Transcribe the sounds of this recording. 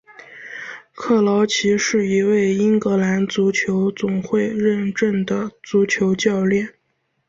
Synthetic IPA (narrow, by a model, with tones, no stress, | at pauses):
kʰɤ˥˩lɑ˧˥ʊt͡ɕʰi˧˥ʂɻ̩˥˩i˧˥we˥˩ɪi˥ŋkɤ˧˥la˧˥nt͡su˧˥t͡ɕʰjo˧˥ʊt͡sʊ˨˩ŋxwe˥˧ɪɻə˥˧nʈ͡ʂə˥˩nd̪ə˩t͡su˧˥t͡ɕʰjo˧˥ʊt͡ɕjɑ˥˧ʊljɛ˥˩n